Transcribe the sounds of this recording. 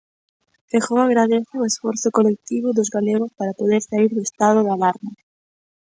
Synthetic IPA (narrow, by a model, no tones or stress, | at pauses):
fexoaɣɾaðeθaoesfɔɾθʊkolek̚t̪iβʊðʊzɣaleɣospaɾapoðeɾsaiɾðʊest̪að̞oðalaɾma